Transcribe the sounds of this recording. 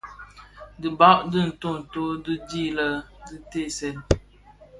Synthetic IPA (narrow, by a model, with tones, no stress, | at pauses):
dɨ˨ba˦ʔdɨ˦n̩˨to˦˨n̩˨to˦dɨ˦d͡ʒi˦˨lə˦dɨ˦te˦˨sɛ˨l